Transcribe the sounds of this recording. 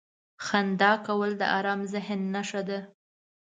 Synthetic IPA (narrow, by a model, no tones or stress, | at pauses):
xand̪ɑkawəld̪ə̰ʔɑɾɑmzɪɦnːaʃad̪a